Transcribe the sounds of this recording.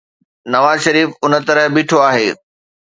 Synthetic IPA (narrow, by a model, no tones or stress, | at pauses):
nɐʋaːzʃɐɾiːfʊnə̆t̪ɐɾəɦbiːʈʰoaːɦeː